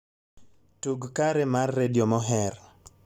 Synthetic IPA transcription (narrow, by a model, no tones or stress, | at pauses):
tuɡkaɾɛmarːediɔmɔɦɛr